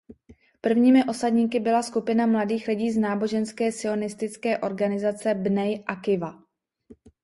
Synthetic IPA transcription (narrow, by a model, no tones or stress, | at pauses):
pr̩vɲiːmɪʔo̞sadɲiːkɪbɪlaskupɪnamladiːxlɪɟiːznaːbo̞ʒɛnskɛːsɪo̞nɪst̪ɪt͡skɛːʔo̞ɾɡanɪzat͡sɛbnɛjʔakɪva